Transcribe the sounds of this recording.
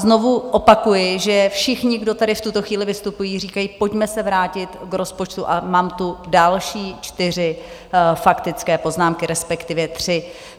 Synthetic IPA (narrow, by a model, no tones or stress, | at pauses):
zno̞vuʔo̞pakujɪʒɛfʃɪxɲɪɡdo̞t̪aɾɪft̪ut̪o̞xviːlɪvɪst̪upujiːriːkajiːpo̞cmɛsɛvɾaːcɪt̪kɾo̞spo̞t͡ʃt̪uʔamaːmt̪udalʃiːt͡ʃt̪ɪr̝ɪ | fakt̪ɪt͡skɛːpo̞znaːmkɪɾɛspɛkt̪ɪvjɛt̪r̝̥ɪ